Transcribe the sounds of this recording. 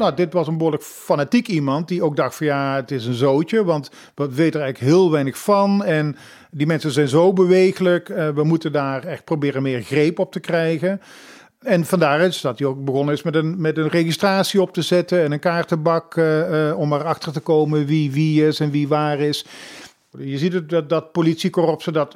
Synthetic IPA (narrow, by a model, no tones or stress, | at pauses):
nodɪtʋɑsə̃nbəɦoːɹlək | fanatikimɑnt̚diowk̚dɑxtfɑnjaːətɪs̬ənzowtəʋɑnt | ʋəʋejtəəɹɛjɣələkɦɪːlˠʋɛjnəxfɑnɛn | dimɛnsənzɛjnzowbəʋejɣələkʋəmutəndaːrɛxt̚probɪːrənmɪːɹɣrejpɔp̚təkrɛjɣən | ɛnvɑndaːrɪsdɑtiowk̚bəɣɔnənɪsmɛtənmɛtənreistraːtsiɔp̚təzɛtənɛnənkaːɹtəbɑk | ɔmərɑxtəɹtəkowmənʋiʋiɪsɛnʋiʋaːrɪs | jəzitət̚dɑt̚politsikɔrɔpsədɑt